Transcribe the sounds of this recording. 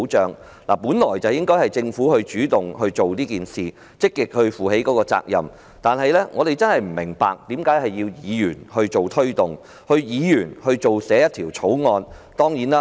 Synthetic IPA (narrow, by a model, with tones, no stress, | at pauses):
t͡ʃœː˨˧ŋ | laː˨˩puː˨˥nlɔː˨˩jt͡sɐ˨wjɪ˥ŋkɔː˥jhɐ˨jt͡sɪ˧ŋfuː˨˥hɵ˧ɥt͡ʃyː˨˥t̪ʊ˨ŋɦɵ˧ɥt͡ʃo˨wniː˥kiː˨nsiː˨˩ | t͡sɪ˥kːɪ˨k̚hɵ˧ɥfuː˨˩ɦe˨˥jkɔː˨˧˥kɔː˧t͡sa̰ː˧k̚jɐ̰˨m | t̪aː˨nɦɐ˨jlɛː˥ŋʔɔː˨˧ɾe˨jt͡sɐ˥nhɐ˨jm̩˨˩mɪ˨˩ŋpa̰ː˨k̚t̪iː˨˥mkaː˨˥jhɐ˨jːiː˧wjiː˨˧jyː˨˩nhɵ˧ɥt͡ʃo˨wt̪ʰɵ˥ɥt̪ʊ˨˩ŋ | hɵ˧ɥjiː˨˧jyː˨˩nhɵ˧ɥt͡ʃo˨wsɛː˨˥jɐ˥t̪ʰiː˨˩wt͡sʰo˨˥wŋɔː˧nt̪ɔː˥ŋjiː˨˥naː˦˥